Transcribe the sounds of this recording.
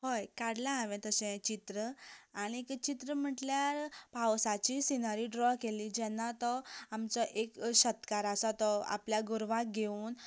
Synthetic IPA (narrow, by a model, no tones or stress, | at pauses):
ɦojkaɽlaaʋɛ̃t̪əsɛ̃t͡ɕit̪ɾəaɽ̃ikt͡ɕit̪ɾəm̤əʈljaɾpawsat͡ɕisinəɾiːɖɾɔkelid͡ʑɛnːat̪ɔamt͡sɔʔekɕət̪kaɾasat̪ɔa̰pljaɡuɾʋãk̚ɡʱeuːn